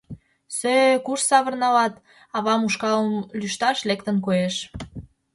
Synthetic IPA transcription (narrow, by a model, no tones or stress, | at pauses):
søkuʃsɑβə̆rnɑβɑt̪ | ɑβɑmuʃkɑləmlyʃt̪ɑʃlekt̪ənkojeʃ